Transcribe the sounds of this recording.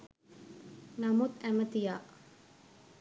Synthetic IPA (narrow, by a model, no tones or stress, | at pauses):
namut̪æmət̪ijaːʔ